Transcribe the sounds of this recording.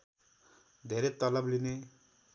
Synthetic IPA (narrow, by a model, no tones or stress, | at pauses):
d̪ʱeɾet̪ʌlʌbline